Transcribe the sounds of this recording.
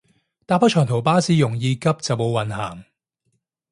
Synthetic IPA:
t̪aː˧pʰːɐ˥t͡ʃʰœː˨˩ŋt̪ʰwpaː˥siː˧˥jʊ˨˩ŋjiː˨˧kɐ˥p̚t͡sɐ˨wmo˨˧wwɐ˨nhaː˨˩ŋ

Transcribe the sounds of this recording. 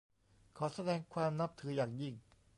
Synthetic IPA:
kʰɔː˩˦sa˧dɛː˧ŋkʰwaː˧mna˦˥p̚t̪ʰɯː˩˦jaː˨˩k̚ji˧˥˩ŋ

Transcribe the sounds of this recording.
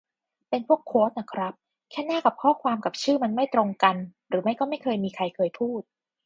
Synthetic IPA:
pe˧npʰu˥˩əkʰːoː˦˥t̪̚na˨˧˩kʰɾa˦˥p̚ | kʰɛː˥˩naː˥˩ka˨˩p̚kʰɔː˥˩kʰwaː˧mka˨˩p̚t͡ɕʰɯː˥˩ma˧nma˥˩jt̪ɾo˧ŋka˧nɾɯː˩˦ma˥˩jkɔː˥˩ma˥˩jkʰɤː˧jmiː˧kʰɾa˧jkʰɤː˧jpʰuː˥˩t̪̚

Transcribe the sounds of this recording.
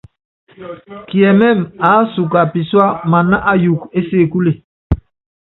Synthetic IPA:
ki˨ɛ˨mɛ˦˨ma˨˦su˨ka˨pi˨swa˦ma˨na˦ʔa˦ju˨ke˦se˦˨ku˦le˨

